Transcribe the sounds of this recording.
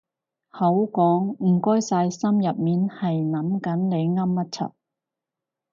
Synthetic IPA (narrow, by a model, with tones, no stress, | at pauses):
hɐ˨˥wkɔː˨˥ŋm̩˨˩kɔː˥jsaː˧jsɐ˥mjɐ˨p̚miː˨˥nhɐ˨jnɐ˨˥mkɐ˨˥nne˨˧jŋɐ˥mːɐ˥t̚t͡sʰɐ̰˨˥t̚